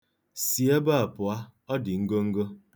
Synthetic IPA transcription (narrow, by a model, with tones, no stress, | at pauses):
si˨e˦ba˦a˨pʊ˨a˦ɔ˦dɪ˨ŋ̩˦ɡo˦ŋ̩˦ɡo˦